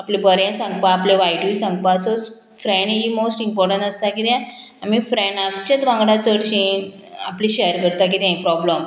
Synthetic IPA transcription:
aplibəɾjãsãŋɡpaːpleʋajʈisãŋɡpaəsod͡z | fɾɛ̃ɳɖɦimosʈimpɔɾʈəɳʈəst̪akit̪jã | amifɾɛɳat͡ɕat͡sʋãŋɡɽat͡səɽɕin | apliɕejəɾkəɾt̪ak̬it̪jãĩpɾɔbləm

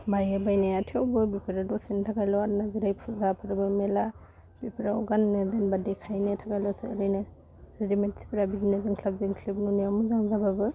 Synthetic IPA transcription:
bajabajnajatʰawbɯbipʰiɾadɔsintʰaɡajlɔaɾnaziɾajpʰɯzapʰɯɾɯbɯmela | b̥ipʰiɾaɔɡanːɯzenbadikʰajnetʰaɡajlɔsɯːɾɯjnɯ | ɾedimetsi̥pʰiɾabiɾineziŋkʰlab̚ziŋkʰlip̚nuniamuzaŋzababɯ

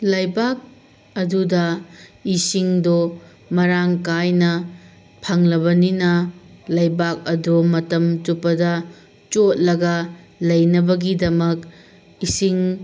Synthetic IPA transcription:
lɐjbak̚ | ɐdudɐisiŋdo | mɐɾaŋkajnɐ | pʰɐŋlɐβɐninɐlɐjbak̚ɐdomɐtɐmtupːɐdɐ | t͡ʃot̚lɐɡɐ | lɐjnɐbɐɡidɐmɐk | isiŋ

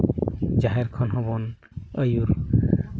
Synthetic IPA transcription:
d͡ʒaɦɛɾkʰɔnɦɔbɔn | əjuɾ

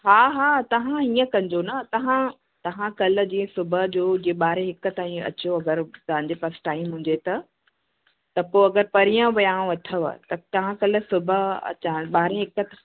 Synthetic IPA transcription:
ɦaːɦaːt̪ɐʋ̤ãĩːə̃kɐ̃ɲd͡ʑonɐt̪ɐʋ̤ã | t̪ɐʋãkɐlə̆d͡ʑĩːə̃sʊbʱəd͡ʑoːd͡ʑiːẽɓaːɾẽɦɪkə̆t̪aːĩɐ̰t͡ɕjoɐɡəɾt̪ɐɦãɲ̆d͡ʑefɐɾsʈaːɪmɦʊ̃ɲ̆d͡ʑet̪ɐ | t̪ɐpoːɐɡəɾpɐɾijə̃ʋɐjãːʋɐt̪ʰəʋ̰t̪ɐt̪ɐʋ̤ãkɐl̆sʊbʱəɐ̰t͡ɕãɓaːɾẽɦɪkət̪

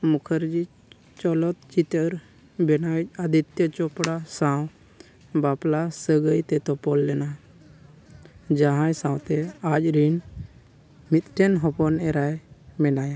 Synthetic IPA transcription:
mukʰəɾd͡ʒi | t͡ʃɔlɔt̪̚t͡ʃit̪əɾ | bɛnawɛc̚ˀad̪it̪jət͡ʃɔpɽasãw | baplasəɡəjt̪ɛt̪ɔpɔlːɛna | d͡ʒaɦãjsãw̃t̪ɛac̚ɾin | mit̪̚ʈʰɛnɦɔpɔnɛɾajmɛnaja

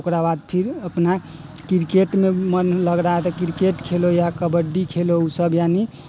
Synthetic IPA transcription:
okɾabad̪̚pʰiɾəpna | kiɾkeʈmemənləɡɾaɦɛt̪ɔkiɾkeʈkʰelojakəbəɖːikʰelousəbjani

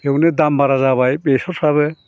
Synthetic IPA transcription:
hewnedambaɾazaβajbesɔɾsaβɯ

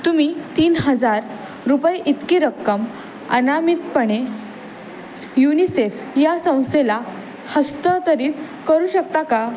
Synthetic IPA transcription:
t̪um̤it̪iːnɦəd͡zaɾ | ɾupəjʔit̪kiɾəkːəm | ə̰namit̪̚pəɳe | junisef | jasə̃w̃sela | həst̪ət̪əɾiːt̪ | kəɾuːɕəkt̪aka

